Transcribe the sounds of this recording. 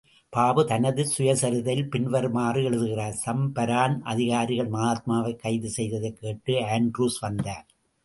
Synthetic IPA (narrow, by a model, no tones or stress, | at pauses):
paːbɯt̪ɐnɐðɯsʊjɐsɐɾɯðɐlpɪnʋɐɾmaːrɯɛɭɯðɯɣɪraːɾsɐmpɐɾaːnʔɐ̰ðɪɣaːɾɪɣɐɭmɐɣaːt̪̚maːʋɐɪkːɐɪðɯsɛjðɐðɐɪkːeːʈːɯaːɳɖɾuːsʋɐnd̪aːɾ